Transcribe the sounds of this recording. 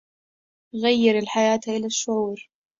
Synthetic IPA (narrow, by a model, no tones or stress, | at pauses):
ɣajːɪɾɪlħajaːt̪ʔɪlaʃːʊʕuːɾ